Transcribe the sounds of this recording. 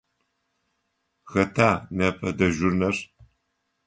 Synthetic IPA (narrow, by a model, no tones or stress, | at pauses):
xɐtʰaːnɐpʼɐdɐʒʊrnɐr